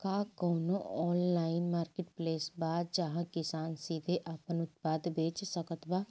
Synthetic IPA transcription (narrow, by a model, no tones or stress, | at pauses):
kaːkɔːnoɔːnlaːɪnmaːɾkeʈpleːsbaːd̪̚d͡ʒɐɦãkɪsaːnsiːd̪ʱeʔapənʊt̪̚paːd̪beːt͡ʃsəkət̪baː